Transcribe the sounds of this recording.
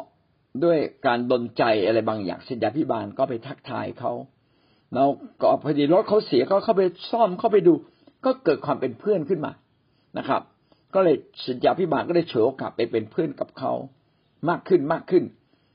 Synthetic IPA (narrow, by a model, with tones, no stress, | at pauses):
du˥˩əjkaː˧ndo˧nt͡ɕa˧jʔa˧ɾa˧jbaː˧ŋja̰ː˨˩ŋsa˨˦njaː˧pʰi˦˥˩baː˧nkɔː˥˩pa˧jt̪ʰa˦˥˩k̚t̪ʰa̰ː˧jkʰa˦˥w | lɛː˦˥wkɔː˥˩pʰa˧diː˧˩ɾo˦˥t̪̚kʰa˦˥wsi˨˩˦ɐkʰa˥˩kʰa˥˩wpa˧jsɔ˥˩mkʰa˥˩wpa˧jduː˧ | kɔː˥˩kɤː˨˩t̪̚kʰwaː˧mpe˧npʰɯ˥˩ənkʰɯ˥˩nma̰ː˧ | na̰˦˥kʰɾa̰˦˥p̚ | kɔː˥˩lɤː˧jsa˨˦njaː˧pʰiː˦˥˩baː˧nkɔː˥˩daː˥˩jt͡ɕʰɯ˨˩˦ʔo˧˩ka̰˨˩pːa˧jpe˧npʰɯ˥˩ənka˨˩p̚kʰa̰˦˥w | maː˥˩kʰːɯ˥˩nmaː˥˩kʰːɯ˥˩n